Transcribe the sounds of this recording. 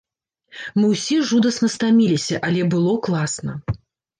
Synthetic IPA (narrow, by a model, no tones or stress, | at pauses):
mɨwsʲiʐud̪ɐsnɐst̪amʲilʲisʲɐʔalʲɛbɨlˠɔklˠasnɐ̰